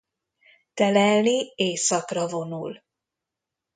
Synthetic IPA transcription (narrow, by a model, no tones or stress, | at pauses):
t̪ɛlɛlːieːsɒkrɒvo̞nul